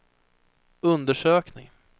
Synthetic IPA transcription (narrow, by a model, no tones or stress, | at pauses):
ɵnd̪əʂøːknɪ̰ŋ